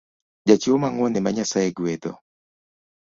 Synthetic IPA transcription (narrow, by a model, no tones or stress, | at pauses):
d͡ʒat͡ʃomaŋwɔnɛmaɲasajeɡwed̪ɔ̰